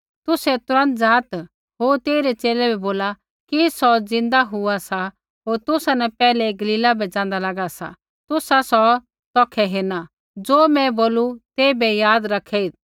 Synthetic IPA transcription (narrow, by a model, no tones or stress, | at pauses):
t̪ʊsɛt̪ʊɾə̃nt̪d͡zaːt̪ | ɦoːɾt̪eːɾɛt͡ʃeːlɛbɛboːla | kisɔd͡zɪ̃nd̪aɦʊasa | ɦoːɾt̪ʊsanɛpɛːlɛɡɐliːlabɛd͡zãːnd̪alaɡasa̰ | t̪ʊsasɔ | t̪ɔːkʰɛɦeːna | d͡zoːmɛ̃boːlut̪eːbɛjaːd̪ɾɐkʰɛit̪